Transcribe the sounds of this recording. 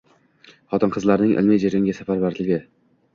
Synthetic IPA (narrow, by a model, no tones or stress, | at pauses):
χɒt̪ɪnqʰɨzlaɾnɪŋʔɪ̰lmɪjd͡ʒeɾɪŋɡʲasafaɾbaɾlɪɡʲɪ